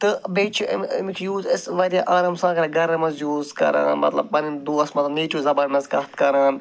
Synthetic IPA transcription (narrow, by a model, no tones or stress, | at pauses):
t̪ɨbeːt͡ʃʰimmikʰijuːzɪsʋɐɾijaʔaːɾɐmsãːkɐɾɐɡɐɾɐmɐzjuːzkɐ̰ɾã̰ːnmɐ̰t̪lɐ̰b̚pɐnid̪uɐsmɐt̪ɐneːt͡ʃuːzɐbaːnmɐzkɐt̪kɐɾaːn